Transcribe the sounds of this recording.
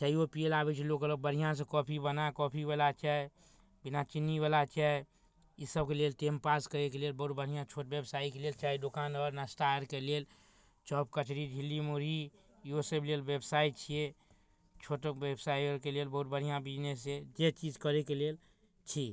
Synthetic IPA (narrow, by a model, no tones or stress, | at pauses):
t͡ʃaiopijelabet͡ʃʰilokələɡ̚bəɽ̤ijãs̬ẽkɔpʰibənakɔpʰibelat͡ʃɛe | binat͡ʃinːiβelat͡ʃɛe | isəb̚kelelʈempaskəɾekelelbəut̪̚bəɽ̤ijãt͡ʃʰoʈbebsaikelelt͡ʃaidokanɔɾnasʈaəɾkelel | t͡ʃɔːp̚kət͡ʃɾid͡ʒʱilːimuɾi | iosəblelbebsait͡ʃʰije | t͡ʃʰoʈbebsaiɔɾkelelbəɦut̪̚bəɽ̤ijãbid͡ʒnesed͡ʒet͡ʃid͡ʒkəɾekelel | t͡ʃʰi